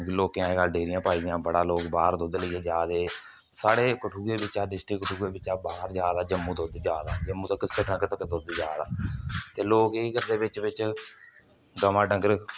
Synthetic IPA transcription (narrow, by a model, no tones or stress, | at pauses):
loːkjãːeːɡəlɖeːɾɪjãːpaːiːd̪jãːbəɽaːloːkbaːɾd̪ʊd̪ləiːeːd͡ʒaːd̪eː | saːɽeːkəʈʰuːeːbɪt͡ʃaːɖɪsʈikːəʈʰuːeːbɪt͡ʃaːbaːɾd͡ʒjaːd̪aːd͡ʒəmːũːd̪od̪d͡ʒaːd̪a̰ːd͡ʒəmːuːt̪əkːsəʈnəkt̪əkːd̪od̪d͡ʒaːd̪a̰ːt̪eːloːkeːkəɾd̪eːbɪt͡ʃbɪt͡ʃ | ɡəmãːɖəŋɡəɾ